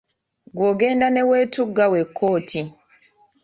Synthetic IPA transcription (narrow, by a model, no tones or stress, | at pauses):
ɡwoɡe̞ːndaneweːtuɡːawekʰːoːtʰi